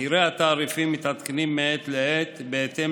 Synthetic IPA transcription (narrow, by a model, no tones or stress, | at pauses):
iɾeat̪aːɾifimːit̪at̪kenimːeet̪leet̪beet̪e